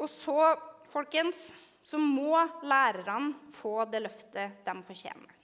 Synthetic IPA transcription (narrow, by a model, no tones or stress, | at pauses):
ɔsɔfɔlkənsː | ɔmmɔːlæːɾəɾɑnfoːd̪ɛlœft̪əd̪̥ɛmfɔɾçḛːmə